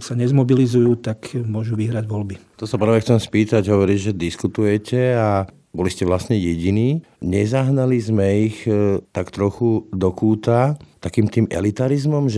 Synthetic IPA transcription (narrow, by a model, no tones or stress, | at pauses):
saɲɛzmɔbilizujuːt̪akmʊɔʒuʋiɦɾaɟʋɔlbit̪ɔsapɾrɾʋɛxt͡sɛmspiːt̪aɟɦɔʋɔɾiːʒɛd̪iskut̪ujɛcɛa | bɔliscɛʋlasɲɛjɛɟiniː | ɲɛzaɦnalizmɛixt̪akt̪ɾɔxud̪ɔkuːt̪at̪akiːmt̪iːmʔɛ̰lit̪aɾizmɔmʒɛ